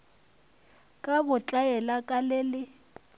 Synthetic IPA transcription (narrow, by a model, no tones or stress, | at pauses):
kʼabʊt͡ɬʼajɛlakʼalɛlɪ